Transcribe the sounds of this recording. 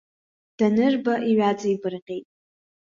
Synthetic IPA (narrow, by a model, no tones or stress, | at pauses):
d̥anɨrbaʔiɥat͡sʼɨibɨrqʲʼejtʼ